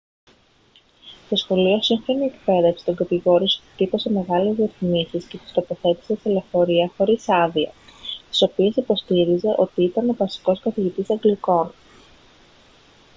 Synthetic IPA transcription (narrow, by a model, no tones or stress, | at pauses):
t̪o̞sxo̞lio̞siɱfo̞niek̚pe̞ðefsi̥t̪o̞ŋɡɐt̪iɣo̞ɾiso̥ut̪ipo̞se̞me̞ɣɐlezðieθimisiscet̪i̥st̪o̞po̞θe̞t̪i̥seselefo̞ɾiɐxo̞ɾisɐðiɐ̰st̪i̥so̞pie̞sipo̞st̪iɾize̞ʔo̞t̪iit̪ɐno̞vɐsi̥ko̞skɐθiʝit̪isɐŋɡliko̞n